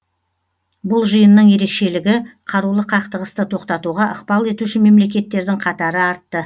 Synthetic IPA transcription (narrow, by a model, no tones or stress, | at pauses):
bʊlˠʒəjənːəɴje̞ɾe̞kʃe̞lɪɡʲɪqʰɑɾulˠəqʰɑqt̪əʁəst̪ət̪ʰo̞qt̪ɑt̪uʁɑʔəqbɑlˠe̞t̪uʃɪme̞mle̞k̬ʲe̞t̪ːe̞ɾd̪ɪŋqʰɑt̪ɑɾəɑɾt̪ːə